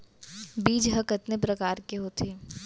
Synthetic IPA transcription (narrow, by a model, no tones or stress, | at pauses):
biːd͡ʒɦɐkət̪nepɾɐkaːɾkeɦoːt̪ʰiː